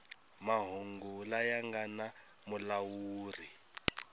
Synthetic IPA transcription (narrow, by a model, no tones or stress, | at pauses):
maɦuŋɡulajaŋɡana | mulawuːri